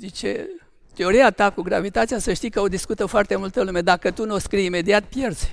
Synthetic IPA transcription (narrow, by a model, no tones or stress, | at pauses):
zit͡ʃḛ | t̪eo̞ɾiat̪akuɡɾavit̪at̪sijasəʃt̪ijkəo̞d̪iskut̪əfoart̪e̞mult̪əlume̞d̪akət̪unoskɾijime̞d̪iat̪̚pje̞rz̥ʲ